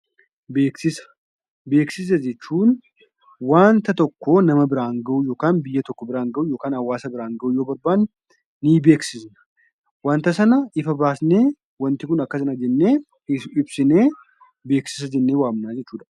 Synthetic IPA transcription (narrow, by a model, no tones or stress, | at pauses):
beːksɪsɐ̥ | be̞ːksɪs̬ɐd͡ʒɛt͡ʃːuːn | waːnt̪ɐt̪ɔkːoːnɐmɐbɪɾaːŋɡɐʔujoːkaːnbɪjːɐt̪ɔkːɔbɪɾaːŋɡɐʔujo̞ːkaːnɐwːaːsɐbɪɾaːŋɡɐʔuːjo̞ːbɐɾbaːnː | ibeːksɪsnɐ̥ | waːnt̪ɐsɐnɐʔɪfɐbaːsneː | wɐnt̪ɪkʊnɐkːɐsɐnɐd͡ʒɛnːe̞ː | ɪɪbsɪne̞ː | be̞ːksɪ̥s̬ɐd͡ʒɛnːeːwaːmnaːd͡ʒɛt͡ʃːuːᶑɐ